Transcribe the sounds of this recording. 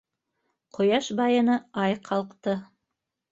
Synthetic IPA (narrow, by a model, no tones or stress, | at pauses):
qʰŏjɑʃbɑjɤ̆nɤɑjqʰɑlˠqt̪ɤ